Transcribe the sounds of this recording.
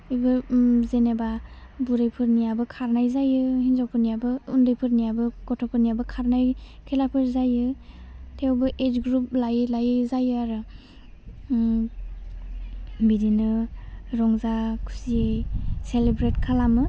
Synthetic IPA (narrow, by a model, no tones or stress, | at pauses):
ijbɯzenebabuɾajpʰɯɾnijabɯkʰaɾnajzajɯhinzɔwpʰɯɾnijabɯundɯjpʰɯɾnijabɯɡɔtʰɔpʰɯɾnijabɯkʰaɾnajkʰelapʰɯɾzajɯtʰewbɯʔetɡɾup̚lajlajɯzajɯaɾɯ | biɾinɯɾɔŋzakʰu̥sieselebɾetkʰalamɯ